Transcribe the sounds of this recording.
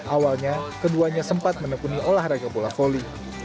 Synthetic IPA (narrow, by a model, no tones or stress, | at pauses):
ʔawalɲakəduaɲasəmpat̪̚mənəkuniʔolahraɡapolafoli